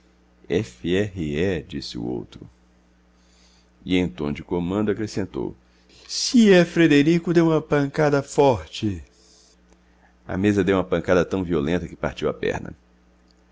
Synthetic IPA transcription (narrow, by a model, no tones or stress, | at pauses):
ɛfiɛɦɪɛd͡ʒisɪṵo̰wt̪ɾʊ̰ | ɪẽt̪õd͡ʒɪkomɐ̃nd̪ʊakɾesẽnt̪o̰w | siɛfɾed̪eɾikʊd̪ewũmɐpɐ̃ŋkad̪ɐfɔɾt͡ʃɪ | ɐ̰mezɐd̪ewũmɐpɐ̃ŋkad̪ɐt̪ɐ̃w̃violẽnt̪ɐkɪ̥pa̰ɾt͡ʃiwɐ̰pɛ̰ɾnɐ̰